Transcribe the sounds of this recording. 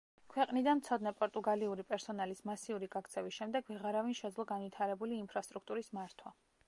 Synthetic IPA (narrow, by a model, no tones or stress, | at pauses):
kʰwɛqʼnid̪anmt̪sʰɔd̪nɛpʼɔɾt̪ʼuɡaliuɾipʼɛɾsɔnalismasiuɾiɡakt̪sʰɛvisʃɛmd̪ɛɡvɛʁaɾavinʃɛd̪zlˠɔɡanvit̪ʰaɾɛbuliːmpʰɾast̪ʼɾuk̚ʰt̪ʼuɾismaɾt̪ʰwa